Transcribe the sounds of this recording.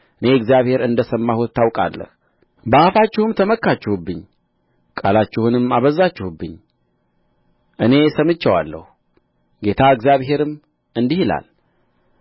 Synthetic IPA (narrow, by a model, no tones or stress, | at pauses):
ɨne̞ɨɡzijaβhe̞ɾɨnd̪əsəmːahut̪ʰːawkʼa̰lːə̰h | bafat͡ʃːɪhumt̪ʰəməkːat͡ʃːɪhubːɨɲː | kʼalat͡ʃːɪhunɨmːaβəzːat͡ʃːɪhubːɨɲː | ʔɨne̞səmɨt͡ʃːəwa̰lːə̰hu | ɡe̞t̪ʰaɨɡzjaβhe̞ɾɨm | ɨnd̪ihila̰l